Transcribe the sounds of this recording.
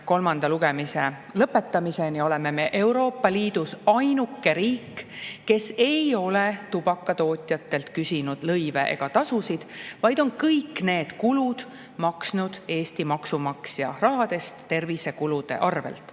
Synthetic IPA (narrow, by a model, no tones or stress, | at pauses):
ko̞lmɑnd̪̥ɑluɡ̥e̞mise | lɤpːˑe̞t̪ːˑɑmise̞nio̞le̞me̞me̞ʔe̞wɾo̞ːpːˑɑliːd̪usɑjnukːe̞ɾiːkːe̞se̞jo̞let̪ub̥ɑkːˑɑt̪o̞ːt̪ʲˑjɑt̪ːe̞lt̪kysinud̪̥lɤjve̞̰ʔḛɡ̥ɑt̪ɑsusid̪̥vɑjd̪̥o̞nkɤjkːne̞ːd̪̥kulud̪̥ | mɑksnud̪̥e̞ːst̪imɑksumɑksjɑrɑɦɑd̪e̞st̪ːe̞rvisekulud̪e̞̰ʔɑrve̞̰lt̪ˑ